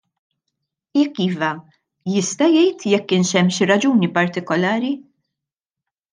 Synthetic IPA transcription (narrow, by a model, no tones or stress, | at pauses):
jɛkːiːvɐ | jɪst̪ɐjɛjt̪jɛkːɪːnʃɛmːʃiɾɐd͡ʒuːnipɐɾt̪ɪkɔlɐːɾi